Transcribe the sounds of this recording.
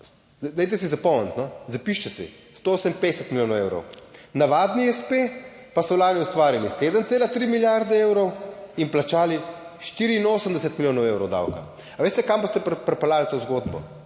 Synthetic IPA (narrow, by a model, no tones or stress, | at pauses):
d̪ɛjt̪̬ɛsizapɔmɛnt̪nɔzapiʃt͡ʃɛsḭst̪ooːsəmped̪ɛsət̪miljoːnɔwewɾɔ̰wnaʋaːd̪niɛspe | pasɔwlaːniust̪ʋaːɾilised̪əmseːlat̪ɾimiljaɾd̪ɛewɾɔwimplat͡ʃaːliʃt̪iːɾiːnoːsəmd̪ɛsət̪miljoːnɔwewɾɔwd̪a̰wka̰ | aʋeːst̪ɛkambost̪ɛppɾɛpalaɡlit̪oːzɡod̪bɔ̰